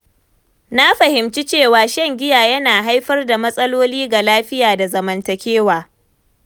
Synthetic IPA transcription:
na˦ɸɐ˨hɪ˨mt͡ʃi˦t͡ʃeː˦˨waː˨ʃɐ˦˨ŋɡʲɪ˦jaː˨jɐ˦naː˨ɦa˦jɸɐ˦rda˨mɐ˦sʼɐ˦loː˦liː˦ɡa˨laː˦ɸɪ˦jaː˨da˨zɐ˨mɐ˨ntɐ˨kʲeː˦waː˨

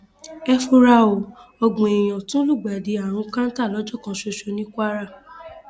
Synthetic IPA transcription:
ɛ˧fo˧ɾa˧o˨ɔ˧ɡ͡bũ˨e˨j̃ã˨tũ˦lu˦˨ɡ͡ba˨di˨˦a˨ɾ̃ũ˧kã˦n̩˦ta˦˨lɔ˨˦d͡ʒɔ˦˨kã˨˧ʃo˧ʃo˧nĩ˦kʷa˦ɾa˦˨

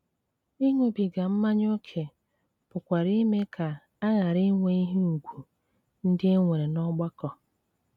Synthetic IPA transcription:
i˦ŋʷe˨bi˨ɡa˨m̩˦ma˦ɲ˦o˦kʰe˨ | pʊ˨kʷa˨ɾi˦me˦kʰa˨ | a˦ɣa˨ɾi˦ŋʷe˦i˦ɦi˦u˨ɡʷu˨ | n̩˦dɪ˦e˦ŋʷe˨ɾe˨nɔ˦ɡ͡ba˦kɔ˨

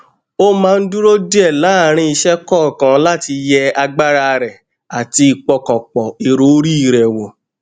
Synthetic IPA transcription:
o˦mãː˦˧n̩˦du˦ɾo˦di˦ɛ˦˨la˨˦˨ɾ̃ĩ˧i˧ʃɛ˦kɔ˦˨kã˨˦la˦ti˧jɛ˦a˧ɡ͡ba˦ɾa˦˧ɾɛ˨ | a˨ti˧i˧k͡pɔ˧kɔ˨k͡pɔ˨i˨ɾo˦ɾi˦i˦˨ɾɛ˨wo˨

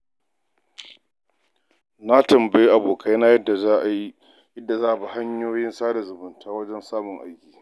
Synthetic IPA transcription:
na˦tɐ˨mba˨ji˦ʔa˨boː˨kʰa˦jna˦jɐ˦da˨za˦ʔa˨ji˦ | jɐ˦dːa˨zaː˦ʔa˨ba˨ha˦ɲjoː˦jɪ˦nsaː˦ɽa˨zʊ˨bʊ˨ntʰaː˦wɐ˦d͡ʒɛ˦nsaː˦mʊ˨ŋʔa̰˦jkʲiː˨

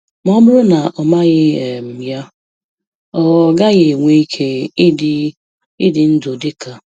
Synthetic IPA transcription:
mɔ˦bʊ˦ɾʊ˦na˨ʔɔ˨ma˦ɲɪ˦e˨m̩˨ja˦ | ɔ˨wɔ˨ɡa˦ɣe˨ŋʷe˦i˦kʰe˦d | ɪ˦dɪ˨n̩˦do˨dɪ˦ka˨

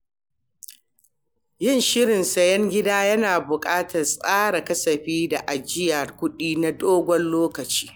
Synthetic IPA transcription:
jɪ˦˨nʃɪ˦ɽɪ˨nsɐ˨jɛ˦ŋɡʲɪ˦daː˦jɐ˦naː˨bʊ˨kʼaː˦tʰɐ˨rsʼaː˦ɽa˨kɐ˦sɐ˨ɸiː˦da˨ʔa˨d͡ʒɪ˦jɐ˨rkʷʊ˦ɗiː˦na˨doː˦ɡʷɔ˦nloː˦kɐ˨t͡ʃi̥ː˦

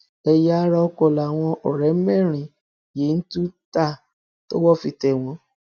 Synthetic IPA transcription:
ɛ˧ja˦ɾa˧kɔ˧˨la˨w̃ɔ̃˧ʔɔ˨ɾɛ˨˦mɛ̃˦˨ɾ̃ĩ˨ | je˨˦n̩˦tũ˦ta˦˨ | to˦wɔ˦˨fi˧tɛ˧˨w̃ɔ̃˧˦

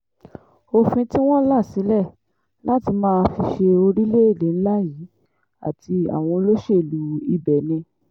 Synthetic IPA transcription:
o˧fĩ˧ti˦w̃ɔ̃˦la˦˨si˨˦lɛ˦˨ | la˦ti˧mãː˦˧fi˧ʃe˧o˧ɾi˦le˦i˦˨le˨˦n̩˦la˦jiː˨˦ | a̰˦˨ti˧a̰˨w̃ɔ̃˧o˧lo˦ʃe˦˨lu˨˦i˨bɛ˨nĩ˧

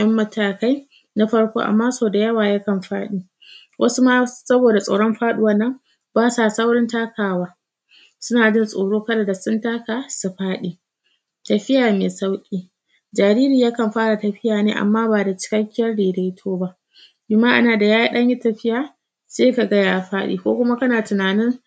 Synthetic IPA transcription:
jʔɐ˦mːɐ˦tʰaː˨ka˦j | na˦ɸɐ˦ɽkʷo̰ː˦ʔa̰˨mːaː˦soː˨da˨jɐ˦waː˨ja˦kɐ˨mɸa̰ː˦ɗiː˦ | wʔɐ˦su˦maː˦sɐ˦boː˨da˨sʼa̰˨ɽɔ˦mɸaː˦ɗʊ˦wɐ˦nːɐ˦m | baː˦saː˨sa˦wɽɔ˦ntaː˦kaː˨waː˦ | sʊ˦naː˨d͡ʒɪ˦nsʼo̰ː˨ɽoː˦kɐ˦la˨da˨sʊ˦ntaː˦ka˨su˨ɸaː˦ɗiː˨ | tɐ˨ɸɪ˦jaː˨meː˨sa˦wkʲʼiː˦ | d͡ʒaː˨ɾiː˦ɾiː˨jaː˦kɐ˨mɸaː˦ɽa˨tɐ˨ɸɪ˦jaː˨neː˦ʔa̰˨mːaː˦baː˨da˨t͡ʃɪ̥˦kɐ˦kʲːɪ˦jɐ˦rɽeː˨da˦jtʰoː˦ba˦ʔ | bɪ˨maː˦ʔa̰˦naː˨da˨jaː˦ji˦ɗɐ˦ɲji˦tɐ˨ɸɪ˦jaː˨ | seː˦ka˨ɡɐ˦jaː˨ɸaː˦ɗḭː˨kʷo̰ː˦kʷʊ˦ma˦kɐ˦naː˨tʊ˨naː˨nɪ˦ŋ

